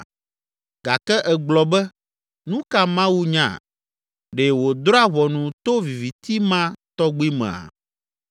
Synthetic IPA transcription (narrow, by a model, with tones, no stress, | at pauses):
ɡ̥a˨kɛ˦ʔɛ˨ɡ͡blɔ˨bɛ˦ | nũ˦ka˦mã˦wu˦ɲã̰˨ | ɖe˨wo˨d̪ɾɔ˦a˦βɔ˨nũ˨t̪o˦vi˨vi˨t̪i˦mã˦t̪ɔ˦ɡ͡bi˦mɛ̰̃˨a̰˨